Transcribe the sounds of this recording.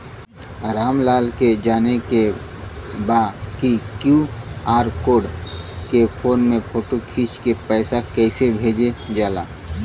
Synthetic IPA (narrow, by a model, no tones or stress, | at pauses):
ɾaːmlaːlked͡ʒaːneke | baːkikjuaːɾkoːɖkepʰoːnmẽpʰoːʈokʰiːt͡ʃkepɛːsakɛːsebʱeːd͡ʒed͡ʒaːlaː